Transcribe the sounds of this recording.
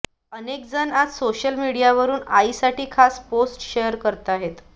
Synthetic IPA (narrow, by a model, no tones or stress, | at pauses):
ənek̚d͡zənad͡zsoɕəlmiɽijaʋəɾuːnaisaʈiːkʰasposʈɕejəɾkəɾt̪aɦet̪